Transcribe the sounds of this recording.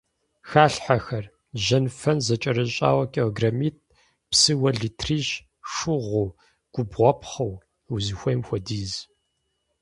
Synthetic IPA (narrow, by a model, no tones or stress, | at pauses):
xaːɬħaxɐr | ʒɐnfɐnzɐt͡ʃʼɐɾɨɕʼa̰ːwɐkʼeɡrɐmiːt̚ʰʼ | psɨwɐɮitʰriːʃ | ʂʊʁʷuː | ɡ̥ʷʼʊbʁʷɔpʰχɐw | wzɨxʷɐjmxʷɔdiːz